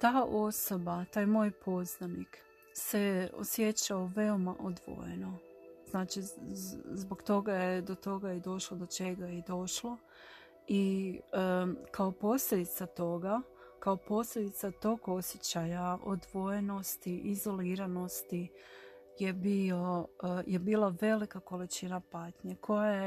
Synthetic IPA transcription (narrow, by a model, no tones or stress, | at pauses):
t̪aːʔo̞so̞bat̪aːjmo̞ːjpʰo̞znanik | se̞o̰sje̞t͡ɕaoʋe̞o̞maʔod̪ʋo̰je̞̰no̞z̥naːt͡ʃi | zbokt̪o̞ɡajed̪o̞t̪o̞ɡajed̪o̞ʃlod̪o̞t͡ʃe̞ɡajed̪o̞ʃlˠo | i | kao̞po̞slʎʲed̪it̪sat̪o̞ɡa | kao̞po̞sʎʲed̪it̪sat̪o̞ɡo̞sjet͡ɕajao̰d̪ʋo̞je̞no̞st̪iʔizo̞liːɾano̞st̪i | je̞bio̞jʔe̞biːlaʋe̞likako̞lit͡ʃinapaːt̪ɲekʰo̞jaje